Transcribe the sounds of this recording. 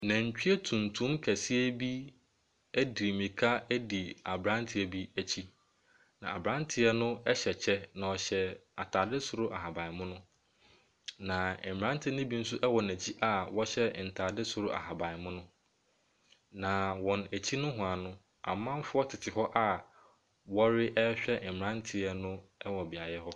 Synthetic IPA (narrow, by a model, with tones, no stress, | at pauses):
næ̃˨ɲ˨t͡ɕᶣi˦e˦tʰũ˨ntʰũ˦mkʰæ˨si˦æ˦bi˦ | æ˦di˨mĩ˨kʰa˦æ˦di˨a˨bɾã˦ntʰɪ˨ɛ˨bi˦æ˨t͡ɕʰi˦ | nã̰˨a̰˨bɾã˦ntʰɪ˨˦ɛ˦nʊ̃˦ɛ˦ɕɛ˨t͡ɕʰɛ˦nã˨ɔ˨ɕɛ˨a̰˨tʰaː˨dɪ˦sʊ˨ɾʊ˦ʔa˨ha˨ba˨ɪ˨mʊ̃˦nʊ̃˦ | nã˨ã˦n˦tʰɪ˦nʊ̃˦bi˦n̩˦sʊ˦ʔɛ˦wɔ˨næ˨t͡ɕʰi˦ʔa˨wɔ˦ɕɛ˦n̩˨tʰaː˨dɪ˦sʊ˨ɾʊ˦ʔa̰˨ɦa˨ba˨mʊ̃˦nʊ̃˦ | nã˨wɔ̃˨næ˨t͡ɕʰi˦nʊ̃˦ɦʊ̃˨a˨nʊ̃˦ | a̰˨mːã˦m˦fʊ˦ɔ˦tʰɪ˨tʰɪ˨hɔ˦ʔa˦ | wɔ˦ɾɪ˦ʔɛ˦ɕᶣɛ˦˨m˨ɾã˦n˦tʰɪ˨ɛ˦nʊ̃˦ɛ˦wɔ˨bɪ˨a˨jɛ˦hɔ˦